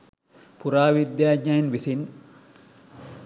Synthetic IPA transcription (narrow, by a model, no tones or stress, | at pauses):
puɾaːʋid̪jaːɡainʋisin